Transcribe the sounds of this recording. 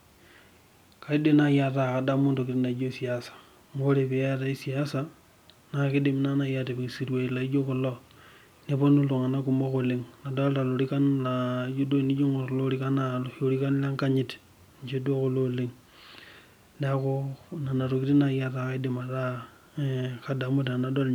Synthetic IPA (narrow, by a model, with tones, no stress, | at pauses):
ka˨i˦de˦na˨ja˨ta˨ka˨da˦mo˦ndo˨ki˨ti˦na˨i˦d͡ʒo˦si˨ja˨˦sḁ˨ | mo˦ɾe˨pe˨ja˦t̬a˨˦i˦si˨ja˦sa˨ | na˨kɪ˦di˦mna˦na˨ja˨te˨bi˨si˨ɾwe˨la˨i˦d͡ʒo˦ko˨lo˦ | ne˦po˦nu˦lo˨ŋa˨na˦ku˨mo˦ko˨le˨ŋna˨do˦lta˨lo˨ɾi˦ka˦nla˨˦d͡ʒo˦do˦˨ni˦d͡ʒo˦ŋo˨lo˦ɾi˦ka˦na˦lo˨ɾi˦ka˦n˦la˦ŋka˦ɲi˦˨t | ɲ˨t͡ʃe˦do˦ko˨lo˦li˦ŋ | da˦ko˦na˨na˨ɾo˨ki˦ti˦na˨ja˦ta˨ke˦di˦ma˨ta˦˨ | ka˦da˨mu˦tna˨na˨do˦l